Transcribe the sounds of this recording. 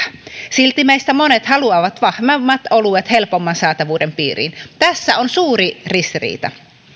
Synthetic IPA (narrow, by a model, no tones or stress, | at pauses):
silt̪imeist̪æmonet̪hɑluɑʋɑt̪ʋɑhmɑmːɑt̪oluet̪helpomːɑnsɑːt̪ɑʋuːdempḭːrḭnt̪æsːæonsuːɾirist̪irḭːt̪ɑ̰